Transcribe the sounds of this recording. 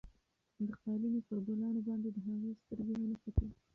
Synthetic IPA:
d̪əqɑlinopəɾɡolɑnobɑnd̪ed̪əɦaɣest̪əɾɡewanapake

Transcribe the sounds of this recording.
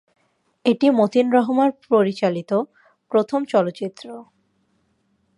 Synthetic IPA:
eʈimot̪inɾɔɦomaɾpɾoɾit͡ɕalit̪o | pɾot̪ʰomt͡ɕɔlotːt͡ɕit̪ːɾo

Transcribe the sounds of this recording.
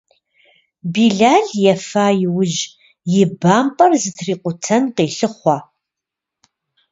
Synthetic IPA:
biːɮaːɮjɛfaːjɪwʊʒ | jɪbaːmpʼɐrzɨtʰriːqʷʊtʰɐnqeːɬɨχʷɑː

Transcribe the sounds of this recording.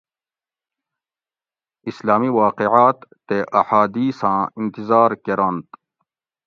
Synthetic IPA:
islaːmiwaːqeʕaːt̪ːeʔɐħaːd̪iːsãːint̪izaːɾkeɾãnt̪

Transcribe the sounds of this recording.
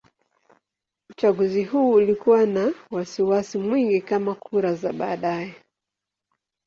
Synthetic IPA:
ut͡ʃaɠuziɦuːlikuwanawasiwasimwiŋɡikamakʰuɾazaɓa̰ːɗajɛ

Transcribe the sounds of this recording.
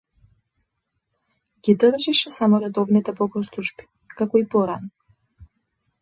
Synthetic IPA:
ɡʲid̪rʒiʃɛsamɔɾɛd̪ɔvnit̪ɛpɔkɔst̪uʒbi̥ | kakɔipɔɾanɔ

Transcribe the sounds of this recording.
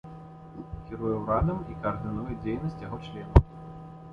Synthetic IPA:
kʲiɾujɛwɾad̪ɐmikɐɐrd̪ɨnujɛd͡zʲejnɐsʲt͡sʲjaɣɔt͡ʂlʲɛnɐ

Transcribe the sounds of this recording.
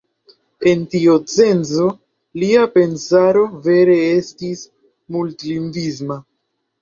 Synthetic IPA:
e̞ntiot͡se̞nzo̞ | liape̞nsaɾo̞ve̞ɾe̞e̞stis | multliŋɡizma

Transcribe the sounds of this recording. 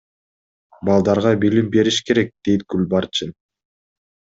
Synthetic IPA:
bɑlˠd̪ɑɾʁɑbilimbe̞ɾiʃke̞ɾe̞k̚d̪̥e̞jt̪̚ɡulʲbɑɾt͡ʃin

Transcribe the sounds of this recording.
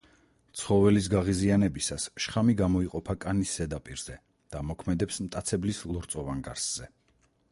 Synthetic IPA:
t̪sʰχɔvɛlis̬ɡaʁizianɛbisasʃχamiɡamɔiqʼɔpʰakʼaniszɛd̪apʼiɾz̥ɛ | d̪̥amɔkʰmɛd̪ɛpsmt̪ʼat̪sʰɛblislˠɔɾt̪sʼɔvaŋɡa̰ɾsz̥ɛ

